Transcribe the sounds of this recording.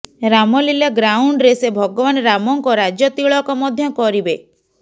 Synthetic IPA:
ɾamɔlilaɡɾauɳɖɾesebʱɔɡɔβanɔɾamɔŋkɔɾad͡ʒjɔt̪iɭɔkɔmɔd̪ʱjɔkɔɾibe

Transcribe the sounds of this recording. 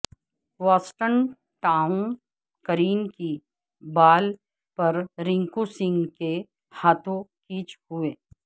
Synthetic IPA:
ʋɔːsʈən | ʈãːʊ̃n | kəɾiːnki | baːl | pɐɾɾɪ̃ŋkusɪ̃ŋɡke | haːt̪ʰõkiːt͡ʃhʊeː

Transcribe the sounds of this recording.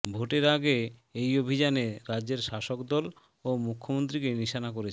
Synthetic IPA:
bʱoʈeɾaɡeejobʱid͡ʑaneɾad͡ʑd͡ʑeɾʃaʃokd̪ɔl | omukʰːomont̪̬ɾikeniʃanak̬oɾet͡ɕʰ

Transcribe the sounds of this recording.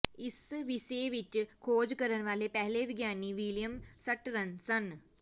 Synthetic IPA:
isʋiseʋit͡ʃkʰoːd͡ʒkəɾənʋaːlepɛɦleʋiɡjaːniʋiljəmsəʈɾənsən

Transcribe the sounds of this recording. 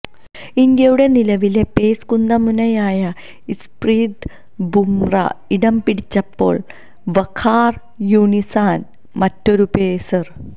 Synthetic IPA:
ind̪jɐjuɽe̞nilɐʋile̞pe̞ːskund̪ɐmunɐjaːjɐ | ispriːd̪ | bʱumrɐ̰iɽɐmpiɽit͡ɕːɐpːo̞ːɭ | ʋɐkʰːaːr | juːɳisaːn | mɐtːo̞ɾupeːsɐr

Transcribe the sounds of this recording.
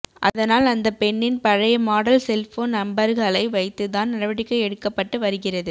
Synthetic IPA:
ʔɐ̰ðɐnaːlɐnd̪ɐpɛɳːɪnpɐɻɐjɐmaːɽɐlsɛlfoːnnɐmbɐɾɣɐɭɐɪʋɐɪt̪ːɯt̪aːnnɐrɐʋɐɽɪkːɐɛɽɯkːɐpːɐʈːɯʋɐɾɯɣɪrɐðɯ

